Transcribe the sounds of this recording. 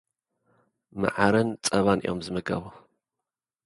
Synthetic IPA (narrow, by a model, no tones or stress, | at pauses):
ma̰ʕaɾɨnt͡sʼɐβanʔḭjo̞̰mzɨmɨɡɐ̰βu